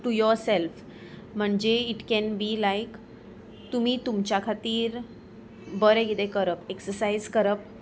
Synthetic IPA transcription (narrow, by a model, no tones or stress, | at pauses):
ʈujɔɾself | m̤əɳd͡ʑeiʈkɛ̃nbilajk | t̪umiːt̪umt͡ɕjakʰat̪iːɾ | bəɾeɡit̪ekəɾəpeksəsajzkəɾəp̚